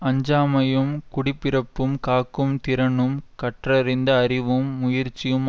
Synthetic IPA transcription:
ɐɲd͡ʒaːmɐjɯmkʊɽɪpːɪɾɐpːɯmkaːkːɯmt̪ɪɾɐɳɯmkɐʈrɐɾɪnd̪ɐːɾɪʋɯmːʊjɪɾt͡ʃːɪjɯm

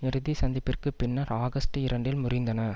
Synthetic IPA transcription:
ɪɾɯðisɐnd̪ɪpːɪrkɯpɪnːɐɾaːɣɐsʈɯɪɾɐɳɖɪlmʊɾɪnd̪ɐnɐ

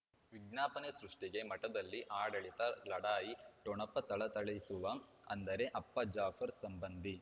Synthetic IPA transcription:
ʋiɡnaːpɐnesɾuʂʈiɡe̞mɐʈɐd̪ɐlːiʔaːɽɐɭit̪ɐlɐɽaːjiʈoɳɐpːɐt̪ɐɭɐt̪ɐɭɐjisuʋɐ | ɐ̰nd̪ɐɾe̞ʔɐpːɐd͡ʒaːfʰɐɾsɐmbɐnd̪i

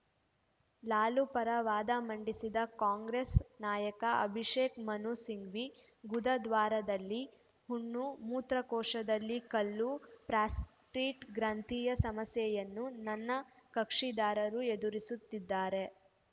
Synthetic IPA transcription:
laːlupɐɾɐʋaːd̪ɐmɐɳɖisid̪ɐkaːŋɡɾesnaːjɐkɐʔɐ̰bʱiʂeːkmɐnuːsiŋɡʋi | ɡud̪ɐd̪ʋaːɾɐd̪ɐlːi | huɳːumuːt̪ɾɐkɔːʂɐd̪ɐlːikɐlːupɾaːsʈɾiːʈɡɾant̪iːjɐsɐmɐsjɛjɐnːunɐnːɐkɐkʂid̪aːɾɐɾued̪uɾisut̪ːid̪ːaːɾe̞

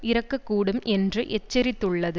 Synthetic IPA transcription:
ɪɾɐkːɐkːuːɽɯmʔɛndrɯʔɛt͡ʃːɐɾɪt̪ːɯɭːɐðɯ

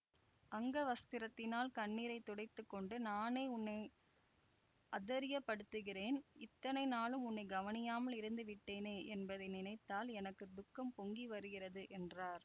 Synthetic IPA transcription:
ʔɐŋɡɐʋɐst̪ɪɾɐt̪ːɪnaːlkɐɳːiːɾɐɪt̪ːɔɽɐɪt̪ːɯkːɔɳɖɯnaːneɪʊnːɐɪ | ʔɐðɐɾɪjɐpːɐɽɯt̪ːɯɣɪreːnɪt̪ːɐnɐɪnaːlɯmʊnːɐɪɡɐʋɐnɪjaːmɐlɪɾɯnd̪ɯʋɪʈːeːneːʔɛnbɐðɐɪnɪnɐɪt̪ːaːlɛnɐkːɯd̪ʊkːɐmpɔŋɡiʋɐɾɯɣɪrɐðɯʔɛnraːɾ

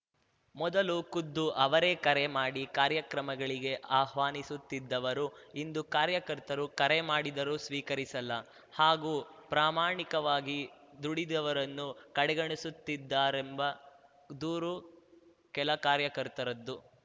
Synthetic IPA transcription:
mɔd̪ɐlukud̪ːuʔɐʋɐɾeːkɐɾemaːɽikaːɾjɐkɾɐmɐɡɐɭiɡe̞ʔaːhʋaːnisut̪ːid̪ːɐʋɐɾu | ind̪ukaːɾjɐkɐɾt̪ɐɾukɐɾemaːɽid̪ɐɾusʋiːkɐɾisɐlːɐ | haːɡuːpɾaːmaːɳikɐʋaːɡid̪uɽid̪ɐʋɐɾɐnːukɐɽɛɡɐɳisut̪ːid̪ːaːɾembɐ | d̪uːɾu | kɛlɐkaːɾjɐkɐɾt̪ɐɾɐd̪ːu

